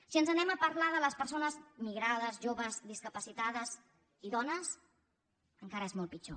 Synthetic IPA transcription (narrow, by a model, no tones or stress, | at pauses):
siənzənɛməpəɾlaðələspəɾsonəzmiɣɾað̞əzʒoβəzðiskəpəsit̪aðəz | iðɔnəs | əŋkaɾəezmɔlˠt̪pit͡ʃo